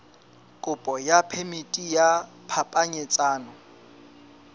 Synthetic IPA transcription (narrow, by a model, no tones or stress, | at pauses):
kʼʊpʼɔjapʰemitʼija | pʰapʼaɲet͡sʼaːnɔ